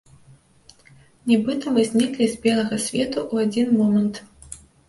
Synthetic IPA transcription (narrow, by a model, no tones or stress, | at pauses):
nʲɛbɨt̪ɐmɨzʲnʲiklʲizʲbʲɛlˠɐɣɐsʲvʲɛt̪uʔuad͡zʲinmɔmɐnt̪